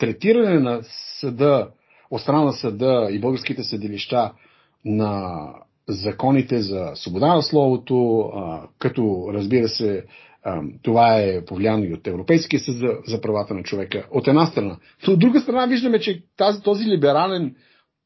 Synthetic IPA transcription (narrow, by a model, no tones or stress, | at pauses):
t̪ɾɛt̪iɾɐnɛnɐsɐd̪ə | ot̪st̪ɾananəsɐd̪əibɤlˠɡəɾskit̪ɛsəd̪iliʃt̪a | nɐ | zɐkɔnit̪ɛzɐsvobod̪anɐslˠɔvot̪o | kɐt̪oɾəzbiɾəsɛ | t̪ovaɛpovlianoiot̪ɛvɾopɛjskijəsət̪zɐzɐpɾɐvat̪ənɐt͡ʃovɛkəot̪ɛd̪nast̪ɾɐna | od̪ːɾuɡəst̪ɾɐnaviʒd̪əmɛt͡ʃɛt̪azt̪ɔzilibɛɾalɛn